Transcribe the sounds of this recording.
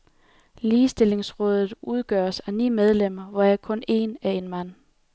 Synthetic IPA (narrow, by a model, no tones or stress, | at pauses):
liːsd̥e̝le̝ŋsʁɔ̽ːð̞ˠð̩ˠuð̞ˠɡ̥ɶ̰ɐsænḭːmeð̞ˠlem̰ɐʋɒækʰɔ̽ne̝̰næɐe̝nmæn̰